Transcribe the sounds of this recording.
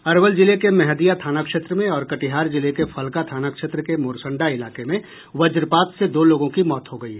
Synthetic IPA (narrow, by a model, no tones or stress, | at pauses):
ɐɾʋəld͡ʒɪlekemɛɦd̪ijat̪ʰaːnakʃeːt̪ɾəmẽɔːɾkɐʈiɦaːɾd͡ʒɪlekefʰɐlkat̪ʰaːnakʃeːt̪ɾəkemoːɾsə̃ɳɖaɪlaːkemẽ | ʋɐd͡ʒɾpaːt̪sed̪oːloːɡõkimɔːt̪ɦoɡɐḭ